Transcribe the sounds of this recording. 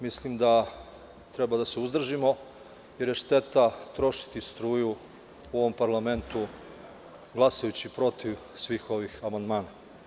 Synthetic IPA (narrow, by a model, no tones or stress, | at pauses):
mislimd̪a | t̪ɾe̞bad̪aseuzd̪r̩ʒimo̞ | jeɾje̞ʃt̪e̞t̪at̪ɾo̞ʃi̥t̪ist̪ɾuːju | uo̞ʋo̞mpaɾlˠame̞nt̪u | ɡlˠasajut͡ɕipɾo̞t̪iʋsʋiːxo̞ʋixamand̪maːna